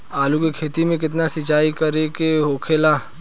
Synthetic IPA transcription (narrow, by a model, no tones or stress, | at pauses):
aːlukekʰeːt̪imẽk̬ɪt̪̬nasɪt͡ʃaːikɐɾekeɦoːkʰela